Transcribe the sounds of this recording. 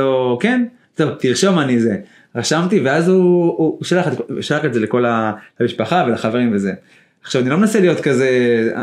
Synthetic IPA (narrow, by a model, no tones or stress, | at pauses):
oken | t̪ovt̪iʁʃo̞manize̞ | ʁaʃamt̪iveazuːʃalaχetkʃalaχetze̞leko̞lalamiʃpaχavelaχave̞ʁimveze̞ | aχʃavanilomnaselijo̞t̪kaze̞